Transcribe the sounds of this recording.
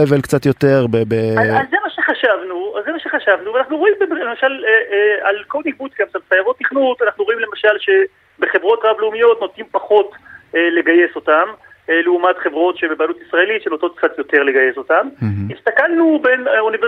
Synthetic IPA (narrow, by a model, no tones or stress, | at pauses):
evelkt͡satjo̞teʁbebeaːemaʃeχaʃavnuazemaʃe̞χaʃavnuveanaχnuʁo̞imbeblemaʃaleealko̞lnik̚but̪ɡamsalχajavo̞t̪̚ːiχnut̪anaχnuʁoimle̞maʃalʃe̞ | be̞χe̞vʁo̞tʁableumijo̞tno̞t̪impaχo̞tele̞ɡaje̞so̞tameleumatχe̞vʁo̞tʃebebalutisʁae̞litʃenoto̞t̪̚kt͡sat̪jo̞te̞ʁleɡaje̞so̞tamist̪akalnube̞nonive